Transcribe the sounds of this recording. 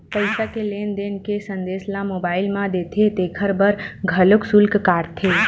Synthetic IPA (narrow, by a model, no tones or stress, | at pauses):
pəɪsakeleːnd̪eːnkesə̃nd̪eːslamobaːɪlmãd̪et̪ʰet̪ekʰəɾbəɾɡʱəlʊksʊlkkaːɾt̪ʰe